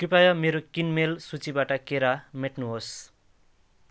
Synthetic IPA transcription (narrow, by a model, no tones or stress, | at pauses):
kripajʌmeɾokinmelsut͡sibaʈʌkeɾameʈnuɦos